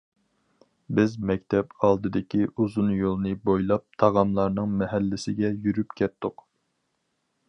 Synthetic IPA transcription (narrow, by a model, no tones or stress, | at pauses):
bɪzmɛkʲt̪ʰɛpɑlˠd̪ɨd̪ɪkʲiuzunjolˠnɨbojlˠɑp̚t̪ʰɑʁɑmlˠɑɾnɨŋmɛɦɛlːɪsɪɡʲɛjyɾypkʲʰɛt̪ʰːʊq